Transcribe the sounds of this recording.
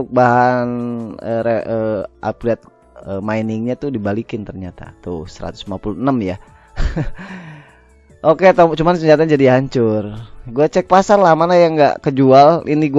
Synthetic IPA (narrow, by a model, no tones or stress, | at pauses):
ʊk̚baɦanəɾeəʔa̰plɛt̪̚ | əmainɪŋɲat̪udibalikɪnt̪ərɲat̪a̰t̪ʊsəɾa̰t̪ʊ̥slimapulunəmja | ʔokeat̪at͡ʃumansəɲd͡ʒat̪aɲad͡ʒadiɦaɲt͡ʃʊrɡuat͡ʃɛk̚pasarlahmanajaŋɡa̰ʔkəd͡ʒualiniɡu